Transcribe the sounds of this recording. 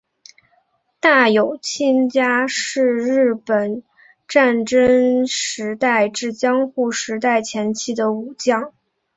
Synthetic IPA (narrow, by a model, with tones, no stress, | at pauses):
t̪a˥˩jo˨˩ʊt͡ɕʰi˥˧nt͡ɕja˥ʂɻ̩˥˧ɻɻ̩˥˩pə˨˩n | ʈ͡ʂa˥˩nʈ͡ʂə˥ŋʂɻ̩˧˥t̪a˥˧ɪʈ͡ʂɻ̩˥˩t͡ɕjɑ˥ŋxu˥˩ʂɻ̩˧˥t̪a˥˩ɪt͡ɕʰjɛ˧˥nt͡ɕʰi˥˩d̪ə˦u˨˩t͡ɕjɑ˥˩ŋ